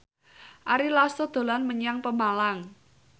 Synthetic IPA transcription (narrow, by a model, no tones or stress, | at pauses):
ʔaɾilasod̪̥o̤lanməɲaŋpəmalaŋ